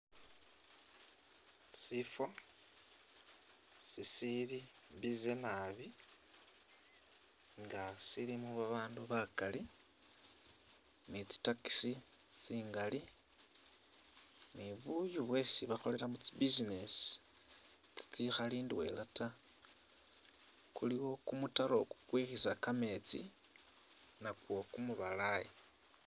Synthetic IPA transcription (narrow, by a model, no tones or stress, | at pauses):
sifa | sisiɾibizenaβi | ŋɡasiɾimuβaβaːnduβakali | nit͡si̥taki̥sit͡siːŋɡali | niβujuβwe̞siβaxo̞le̞lamut͡sibizinesi̥ | t͡si̥t͡sixaliːndwe̞̰lata | kuliwo̞kumutaɾo̞ku̥kwixisakame̞t͡sḭ | nakwo̞kumuβalaje